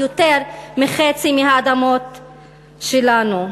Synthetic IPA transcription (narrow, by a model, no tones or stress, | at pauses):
jot̪eʁmiχet͡simiɦaːd̪amo̞t | ʃelanu